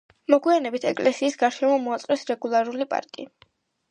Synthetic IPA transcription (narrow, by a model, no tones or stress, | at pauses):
mɔɡwianɛbit̪ʰɛkʼlɛsiːsɡaɾʃɛmɔmɔat̪sʼqʼwɛsɾɛɡulˠaɾulipʼa̰ɾkʼḭ